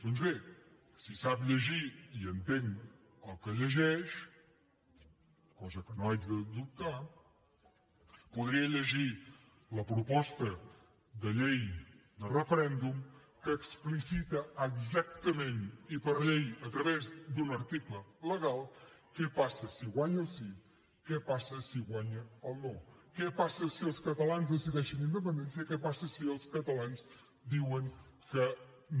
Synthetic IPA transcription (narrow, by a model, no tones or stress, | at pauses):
d̪̥ɔnzβe | sisapʎəʒiiənt̪eŋ | əlˠkəʎəʒɛʃ | kɔzəkənoad͡ʒðəd̪up̚t̪a | puðɾiəʎəʒi | ləpɾupɔst̪ə | d̪əʎejd̪ərəfəɾɛnd̪um | kəːksplisit̪əːɡzak̚t̪əmenipəɾʎejət̪ɾəβezd̪unəɾt̪iklələɣalˠ | kɛpasəsiɣwaɲəlˠsi | kɛpasəsiɣwaɲəəlˠnokɛpasəsiəlˠskət̪əlanzðəsiðɛʃənind̪əp̬ənd̪ɛns̬iəkɛpasəsiəlˠskət̪əlanz | d̪iwəŋkə